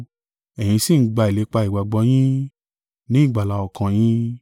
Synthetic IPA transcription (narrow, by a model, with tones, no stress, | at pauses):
ɛ˨j̃ĩ˧si˦˨n̩˦ɡ͡ba˧i˨le˨˧˦k͡pa˧i˨wa˨ɡ͡bɔ˧˦j̃ĩ˦ | nĩ˦i˦˨ɡ͡ba˨la˨˧ɔ˨kʰã˨j̃ĩ˦